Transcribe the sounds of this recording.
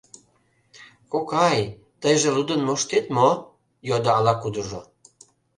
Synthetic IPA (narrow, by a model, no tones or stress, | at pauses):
kokɑj | t̪əjʒĕlud̪ənmoʃt̪et̪mo | jod̪oɑlɑkud̪əʒo